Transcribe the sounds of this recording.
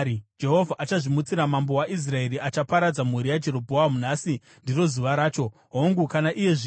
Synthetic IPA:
d͡ʒe̞ɦo̞vʱaʔat͡ʃaʐimut͡siɾamambo̞waʔis̬rae̞ɾiʔat͡ʃapaɾad͡zamuɾijad͡ʒe̞ɾo̞bʱoamun̤asi | ndiro̞zuʋaɾaːt͡ʃo̞ | ɦoŋɡukanaʔije̞ʐi

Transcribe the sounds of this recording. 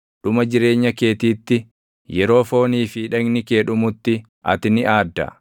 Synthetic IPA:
ᶑʊmɐd͡ʒɪɾe̞ːɲːɐke̞ːt̪iːt̪ːɪ | jɛɾo̞ːfo̞ːniːfɪːᶑɐɡnɪkeːᶑʊmʊt̪ːɪ | ʔɐ̰t̪ɪnɪʔaːd̪ːɐ̰

